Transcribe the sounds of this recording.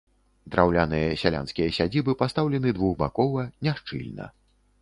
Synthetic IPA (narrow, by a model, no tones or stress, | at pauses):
d̪ɾʔawlʲanɨjɐsʲalʲa̰nskʲijɐsʲad͡zʲibɨpast̪awlʲɛnɨd̪vuɣba̰kɔvɐnʲaʂt͡ʂɨ̰lʲnɐ̰